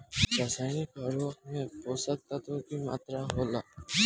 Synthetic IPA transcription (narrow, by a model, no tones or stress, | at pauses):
ɾaːsaːɪnɪkəɾoːxmẽboːsək̚t̪at̪ʰokima̰ːt̪ɾaɦoːlaː